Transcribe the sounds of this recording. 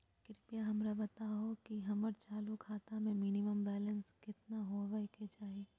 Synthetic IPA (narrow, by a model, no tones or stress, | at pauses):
kɪɾpijaɦɐmɾabɐt̪aɦokiɦɐməɾt͡ʃaːlukʰaːt̪amẽminɪməmbɛːlə̃nskɪt̪naɦoʋɐket͡ʃaːieː